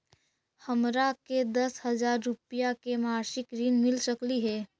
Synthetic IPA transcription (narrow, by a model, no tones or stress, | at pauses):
hɐmɾaked̪ɐshɐzaːɾːʊpijakemaːɾʃɪkɾiːnmɪlsəkliɦɛː